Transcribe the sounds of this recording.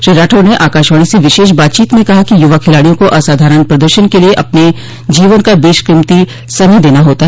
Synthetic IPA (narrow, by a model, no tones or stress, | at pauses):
ʃɾiːɾaːʈʰoneʔaːkaːʃʋaːɽ̃iseʋɪʃeːʃ̬baːt̪t͡ʃiːt̪mẽkɐɦakijʊʋakʰɪlaːɽijõkoʔɐsaːd̪ʱaːɾəɽ̃pɾɐd̪əɾʃənkelieʔɐpne | d͡ʒiːʋənkabeːʃkɾɪmt̪i | sɐməd̪eːnaɦoːt̪aɦ